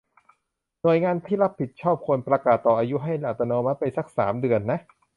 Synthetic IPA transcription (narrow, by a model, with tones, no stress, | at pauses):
nu˨˩əjŋaː˧nt̪ʰiː˥˩la˦˥pʰːi˨˩t̪̚t͡ɕʰɔː˥˩p̚kʰo˧npɾa˧kaː˨˩t̪ːɔː˨˩ʔaː˧ju˦˥ɦa˥˩jlaː˨˩t̪ːa˧nɔː˧ma˦˥t̪̚pa˧jsa˦˥˩k̚saː˩˦mdɯ˧ənːa˦˥ʔ